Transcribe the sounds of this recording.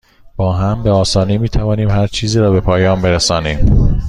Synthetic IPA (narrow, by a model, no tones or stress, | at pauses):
b̥ɒːɦæmbe̞ɒːsɒːnimiːt̪ʰævɒːniːmhæɾt͡ʃʰiːziːɾɒːbe̞pʰɒːjɒːmbe̞ɾesɒːniːm